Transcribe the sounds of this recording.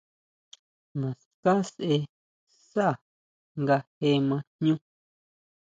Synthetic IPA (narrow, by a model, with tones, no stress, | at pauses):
mã˨s | kã˦sʔe˧ | sa˦a˨ | ŋɡa˧he˧mã˧nɲũ˦